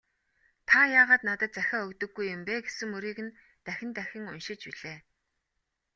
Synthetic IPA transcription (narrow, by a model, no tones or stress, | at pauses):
t̪ʰajaːʁaːt̪nat̪ə̆t̪̚t͡sæxʲaːɵkt̪ɵ̆ɡːujːʊmpeːɡesɘ̆ŋɵɾiːɣɘ̆n | t̪æxʲɪ̆nt̪æxʲɪ̆ŋʊnʃɪ̆t͡ɕpiɮeː